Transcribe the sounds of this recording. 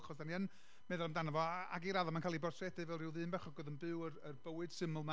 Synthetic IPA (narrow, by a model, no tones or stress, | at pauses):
χɔsdaniən | mɛðʊlˠamdanavɔa̰ɡiɾaðɔmankʰaːlˠibɔrtʰrɛdɨvɛlˠrɪwðɨːnbɛχɔɡɔðənbɨwərərbəwɨd̥sɪmʊlˠma